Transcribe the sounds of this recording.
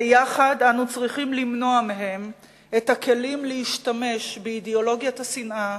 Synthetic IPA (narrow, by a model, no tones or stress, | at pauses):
jaχadanut͡sʁiχimlimno̞ameɦe̞m | ethake̞limleiʃtame̞ʃbeideo̞lo̞ɡjatasinʔa